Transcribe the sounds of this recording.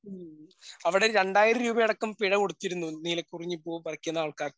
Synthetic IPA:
ɐʋiɽeɾeɳɖaːjiɾɐɾuːbɐjɐɽɐkːumpiɻɐkoɽut̪ːiɾunːuniːlɐkuriɲːipːoːpɐrɐkʲːunːɐaːɭkaːr

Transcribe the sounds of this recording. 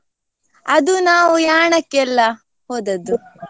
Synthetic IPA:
ɐd̪unaːʋujaːɳɐkːɛlːɐ | hoːd̪ɐd̪u

